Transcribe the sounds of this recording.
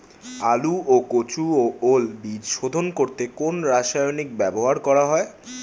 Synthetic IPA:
aluokot͡ɕuoʔolbid͡ʑʃod̪ʱonkoɾt̪ekonɾaʃajonikbɛboɦaɾkɔɾaɦɔe

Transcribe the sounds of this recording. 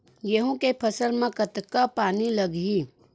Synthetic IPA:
jeɦõkepʰəsəlmẽkət̪kapaːniləɡi

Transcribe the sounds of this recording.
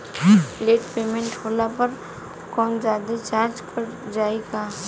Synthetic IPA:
leːʈpeːmẽɳʈhoːlapɐɾ | kɔːnzjaːd̪et͡ʃaːɾd͡ʒkʰɐɾd͡ʒaːeɡa

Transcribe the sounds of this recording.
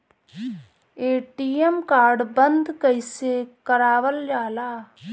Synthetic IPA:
eːʈiːemkaːɾɖbənd̪kəɪseːkəɾaːʋəld͡ʒaːlaː

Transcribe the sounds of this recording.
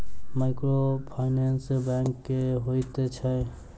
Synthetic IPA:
maɪkɾopʰaɪnansbaŋkːeɦojt̪et͡ʃʰə

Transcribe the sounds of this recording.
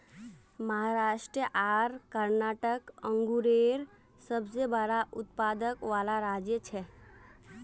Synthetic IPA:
məɦaɾaʃʈɾijəʔaɾkəɾnaʈəkə̃ŋɡuɾeɾ | səbsebəɾaʔʊt̪̚pad̪əkʋalaɾad͡ʒjət͡ʃʰɛ

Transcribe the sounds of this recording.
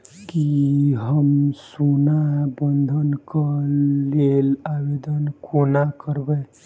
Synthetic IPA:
kiɦəmsunabənd̪ʱənkəlelabed̪ənkʰonakəɾbə

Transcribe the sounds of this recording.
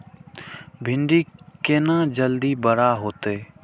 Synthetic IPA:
bʱɪɳɖiːkeːnãːd͡ʒəld̪iːbəɾaːɦoːt̪eː

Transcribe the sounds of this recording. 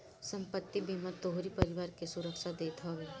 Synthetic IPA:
sɐ̃mpət̪ːibimat̪oɦoɾipɐɾɪʋaːɾkesʊɾəkʃad̪eːt̪ʰoʋeː

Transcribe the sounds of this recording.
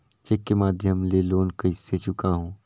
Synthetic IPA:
t͡ʃekːemaːd̪ʱjəmleːloːnkɐɪsːet͡ʃʊkaɦõː

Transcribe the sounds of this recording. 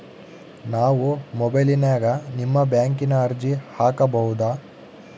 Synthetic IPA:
naːʋumɔbɐjlinaːɡɐnimːɐbjaːŋkinɐːɾd͡ʒihaːkɐbɐɦud̪aː

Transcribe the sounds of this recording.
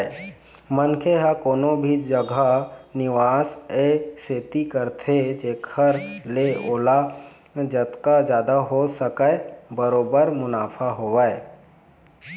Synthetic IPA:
mənkʰeɦakoːnõbʱid͡ʒəɡʱanɪʋaːseseːt̪ikəɾt̪ʰed͡ʒeːkʰəɾleoːla | d͡ʒət̪kad͡ʒjaːd̪aɦosəkəebəɾoːbəɾmʊnaːpʰaɦoʋae

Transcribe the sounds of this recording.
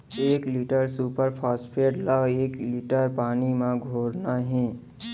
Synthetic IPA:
eːkliːʈəɾsuːpəɾpʰaːspʰeːɖləɡeːkliːʈəɾpaːnimãɡʱoːɾnaɦɛ̃ː

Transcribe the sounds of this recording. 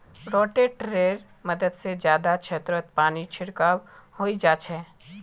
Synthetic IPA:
ɾɔːʈeʈɾeːɾ | məd̪əd̪sed͡ʒjaːd̪at͡ʃʃʰet̪ɾət̪̚paːnit͡ʃʰɪɾkaːʋhoːid͡ʒaːt͡ʃʰɛː

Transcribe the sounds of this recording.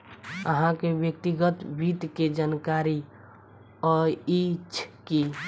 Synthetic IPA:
əɦãkebjək̚t̪iɡət̪bit̪ked͡ʒankaɾi | ɔɾit͡ʃʰki

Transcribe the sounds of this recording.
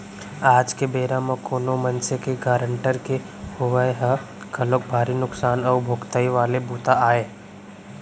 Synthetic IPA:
aːd͡ʒkebeːɾamɐ̃kʰoːnomɐnsekeɡaːɾəɳʈəɾke | hʊʋəjɦɐ | kɐlok̚bʱaːɾinʊksaːnɐʊbʱoɡt̪əiʋaːlebuːt̪aaːeː

